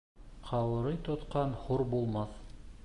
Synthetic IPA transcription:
qʰɑwɤ̆ɾɤjt̪ŏt̪qɑnhuɾbulˠmɑθ

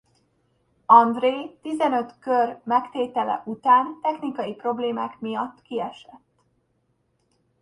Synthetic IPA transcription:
ɒnd̪reːt̪izɛnø̞t̪kørmɛkt̪eːt̪ɛlɛ̰ʔut̪aːnt̪ɛxnikɒjipro̞bleːmaːkmijɒt̪ːkiɛʃɛt̪ː

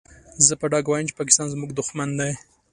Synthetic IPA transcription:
zəpəɖɑɡwɑjəmt͡ʃe̥pɑk̬ɪ̥st̪ɑnzmuɡd̪ʊxmand̪aj

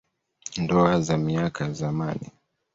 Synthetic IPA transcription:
ndɔazamiakʰazamanḭ

